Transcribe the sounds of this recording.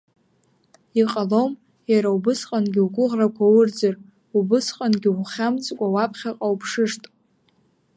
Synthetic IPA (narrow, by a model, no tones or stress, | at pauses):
iqʼalom | jaɾaubɨsqʼanɡʲiwɡʷʊʁrakʷawʊrd͡zɨr | ubɨsqʼanɡʲɪuχʲamt͡sʼkʷʼawapʰχʲaqʼawpʰʂɨʂtʼ